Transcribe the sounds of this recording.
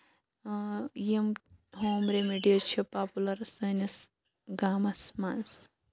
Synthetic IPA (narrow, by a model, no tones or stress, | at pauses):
jimɦoːmɾemiɖijɐt͡ʃʰipaːpulɐɾsɐnɐs | ɡaːmɐsmans